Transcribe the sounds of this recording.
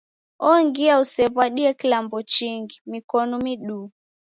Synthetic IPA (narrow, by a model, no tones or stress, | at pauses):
ɔŋɡiausɛβwaɗiɛkilambɔt͡ʃiŋɡimikɔnɔmiɗu